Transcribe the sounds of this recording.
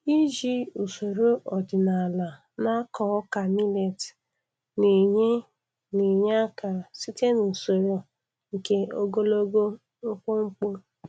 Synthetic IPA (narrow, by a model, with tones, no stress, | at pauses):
i˦d͡ʒi˦u˨so˨ɾo˦ʔɔ˨dɪ˨na˨la˨ | na˦kɔ˨ɔ˦ka˨mi˦le˨t | ne˨ɲe˦ | ni˨ɲa˦ka˨si˦te˦nu˨so˨ɾo˨ | ŋ̩˨ke˦o˦ɡo˦lo˦ɡo˦ | ŋ̩˦k͡po˦ŋ͡m̩˦k͡po˦